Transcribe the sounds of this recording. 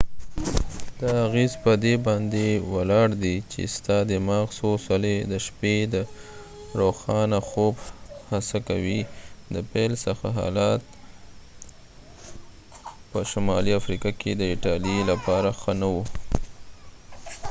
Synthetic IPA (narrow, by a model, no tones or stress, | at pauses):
d̪aaɣezpəd̪ebɑnd̪ewalɑɽd̪it͡ʃḛst̪ɑd̪emɑɣsosaled̪əʃped̪ə | ɾoxɑnaxobhasakawid̪əpelsəxaɦɑ̰lɑt̪̚ | pəʃamɑliafɾikɑked̪əɪʈɑlielapɑɾaxənawu